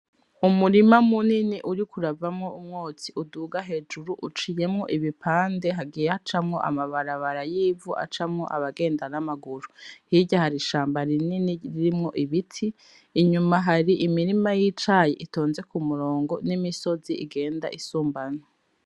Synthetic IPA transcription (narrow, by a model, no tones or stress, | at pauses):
umuɾimamuniniʔuɾikuɾavamŋo̞umŋoːt͡siʔuduːɡaɦe̞d͡ʒuɾuʔut͡ʃije̞mŋo̞ʔiβipʰaːnde̞ɦaɡijeat͡ʃamŋo̞ʔa̰maβaɾaβaɾajiːvuʔa̰t͡ʃamŋo̞̰ʔa̰βaɡe̞ːndanamaɡuɾuhiɟahaɾiʃaːmbaɾininiɾiɾimŋo̞ʔiβitʰiː | ɲumaɦaɾiʔimiɾimajiːt͡ʃajḭʔito̞ːnze̞kumuɾo̞ːŋɡo̞nimiso̞ziḭɡe̞ːnda̰ʔisuːmbano